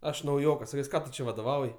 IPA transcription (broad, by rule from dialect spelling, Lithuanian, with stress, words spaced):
ˈɐʃ nɐʊˈjoːkɐs sɐˈkʲɛs ˈkɑː tʊ ˈt͡ʃʲɛ ʋɐdoːˈʋɐʊj